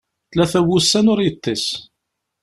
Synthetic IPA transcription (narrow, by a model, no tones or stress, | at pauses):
θlæθæwusːænʊɾjət̪ˤːis